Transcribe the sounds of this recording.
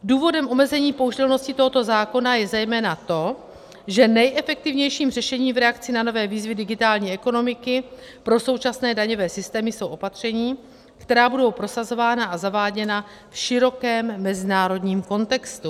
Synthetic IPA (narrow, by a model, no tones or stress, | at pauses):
duːvo̞dɛmʔo̞mɛzɛɲiːpo̞uʒd̪ɛlno̞scɪt̪o̞ɦo̞t̪o̞zaːko̞najɛzɛjmɛːnat̪o̞ | ʒɛnɛjʔɛfɛk̚t̪ɪvɲɛjʃiːmr̝ɛʃɛɲiːmvɾɛakt͡sɪnano̞vɛːviːzvɪdɪɡɪt̪aːlɲiːɛko̞no̞mɪkɪ | pɾo̞so̞wt͡ʃasnɛːdaɲo̞vɛːsɪst̪ɛːmɪso̞wʔo̞pat̪r̝̥ɛɲiː | kt̪ɛɾaːbudo̞wpɾo̞sazo̞vaːnaʔazavaːɟɛna | fʃɪɾo̞kɛːmːɛzɪnaːɾo̞dɲiːmko̞nt̪ɛkst̪u